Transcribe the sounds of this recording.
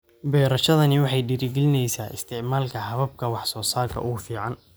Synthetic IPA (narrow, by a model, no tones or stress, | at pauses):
bɛːɾɐʃɐðɐnɪwɑħɑjɖɪɾɪɡɛlɪnɛjsaːʔɪ̰st̪ʰɪʕmaːlkʰɐhɐβɐb̚kʰɐwɑħsɔːsaːrkʰɐ̰ʔʊɣʊfiːʕɑn